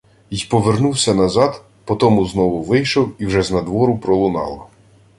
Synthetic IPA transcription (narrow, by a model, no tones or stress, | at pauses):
ijpɔʋernuwsʲɐnɐzɑd̪ | pɔt̪ɔmʊznɔʋʊʋɪjʃɔwiwʒɛznɐd̪ʋɔɾʊpɾɔlˠʊnɑ̰lˠɐ